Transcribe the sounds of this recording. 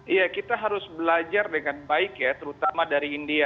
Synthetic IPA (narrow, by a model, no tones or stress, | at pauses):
ijakit̪aɦaɾʊsbəlad͡ʒardəŋanbaɪkjat̪əɾut̪amadaɾiːndia